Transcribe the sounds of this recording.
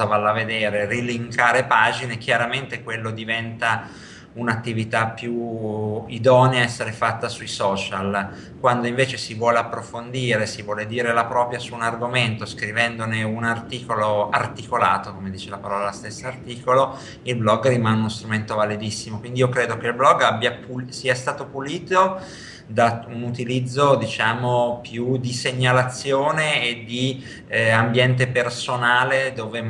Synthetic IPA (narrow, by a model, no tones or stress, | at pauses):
avalːaved̪eːɾeriliŋkaːɾepaːd͡ʒinekjaɾament̪ekwelːod̪ivɛnt̪a | unat̪ːivit̪apːju | id̪ɔːneaɛsːeɾefat̪ːasuisɔːt͡ʃal | kwand̪oiɱveːt͡ʃesivwɔːleapːɾofond̪iːɾesivwɔːled̪iːɾelapɾɔːpɾjasuːnarɡoment̪oskɾivɛnd̪oneunart̪iːkoloa̰rt̪ikola̰ːt̪okomed̪iːt͡ʃelapaɾɔːlalast̪esːaːrt̪iːkolo | ilblɔɡrimaneunost̪ɾument̪ovaled̪isːimokwind̪iiːokɾeːd̪ok̟eilblɔɡːabːjapusiɛst̪aːt̪opuliːt̪o | d̪aunut̪ilid̪zːod̪it͡ʃaːmopjud̪iseɲːalat̪sːjoːneːd̪i | ambjɛnt̪epersonaːled̪oːve